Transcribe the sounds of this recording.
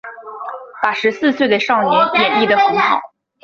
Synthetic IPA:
pa˨˩ʂɻ̩˧˥sɹ̩˥˧swe˥˩ɪd̪ə˩ʂɑ˥˩ŋnjɛ˧˥njɛ˨˩ni˥˩d̪ə˩xə˧˥xɑ˨˩˦ʊ

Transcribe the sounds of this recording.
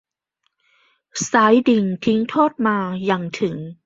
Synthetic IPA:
saː˦˥jdi˧ŋt̪ʰi˦˥ŋt̪ʰoː˥˩t̪̚maː˧ja˧˩ŋt̪ʰɯ˩˦ŋ

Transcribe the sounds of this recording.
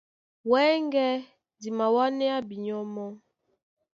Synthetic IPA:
wɛ˦ŋɡɛ˦ | di˨ma˨wa˦nɛ˦a˦bi˨ɲɔ˦mɔ˦

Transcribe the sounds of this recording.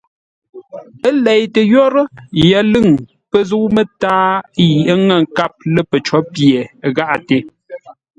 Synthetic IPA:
ə˦lɛ˨jtə˨jɔ˦ɾə˦jɛ˨˦lɨ˦˨ŋ | pə˦˨zu˦wmə˦taː˦ji˨ʔə˦ŋə˨ŋ˨ka˦˨p̚lə˦pə˨t͡ʃɔ˨˦pje˨ɣa˦ʔa˨te˨˦

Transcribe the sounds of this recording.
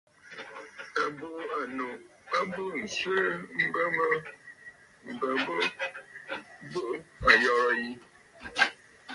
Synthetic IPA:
a˨bo˦a˨no˨ | a˦bo˦n̩˨swe˦m̩˦bə˦mə˦ | m̩˨bə˨bo˦ | bo˦ʔa˨jɔ˨ɾɔ˨ji˦

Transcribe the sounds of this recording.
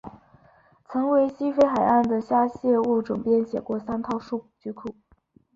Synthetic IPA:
t͡sʰɤ˧˥ŋwe˧˥ɪɕi˥fe˥ɪxa˨˩ɪa˥˩nd̪ə˩ɕja˥ɕjɛ˥˧u˥˩ʈ͡ʂʊ˨˩ŋpjɛ˥˩nɕjɛ˨˩kwɔ˥˩sa˥nt̪ʰɑ˥˧ʊʂu˥˩t͡ɕy˧˥kʰu˨˩˦

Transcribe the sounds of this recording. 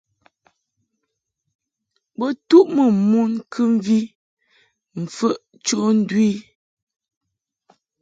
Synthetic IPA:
bə˦tu˦ʔmə˨mu˦nkʰɨ˦m˦vi˦ | m̩˨fə˦ʔ | t͡ʃo˦n̩˦dwi˦

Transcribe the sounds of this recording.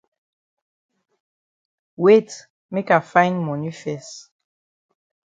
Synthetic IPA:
we˦t | me˦ka˨fã˦ɪnmɔ˨ni˦fɛs

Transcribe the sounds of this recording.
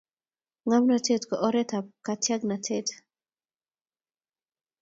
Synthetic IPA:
ŋa˦mna˨tʰe˦tkɔ˨ʔɔ˦ɾɛ˦t̪a˨pka˨tja˦ɡna˨tʰet

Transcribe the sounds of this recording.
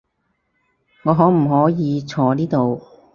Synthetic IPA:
ŋɔː˨˧ɦɔː˨˥m̩˨˩ɦɔː˨˥jiː˨˧t͡sʰɔː˨˧niː˥t̪o˨w

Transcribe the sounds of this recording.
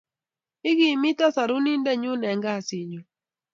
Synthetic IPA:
ɪ˦ɡi˨mi˦tɔ˦sa˨ɾʊ˦ni˦ndɛ˦˨ɲʊ˦nɛ˨ŋɡa˦˨sɪ˨ɲu˨

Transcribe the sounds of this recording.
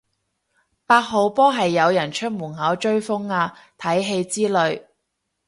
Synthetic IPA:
paː˧t̚ɦo˨˧wpɔː˥ɦɐ˨jːɐ˨˧wjɐ˨˩nt͡ʃʰɵ˥t̚muː˨˩nhɐ˨˥wt͡ʃɵ˥ɥfʊ˥ŋaː˧t̪ʰɐ˨˥jɦe˧jt͡siː˥lɵ˨˧ɥ

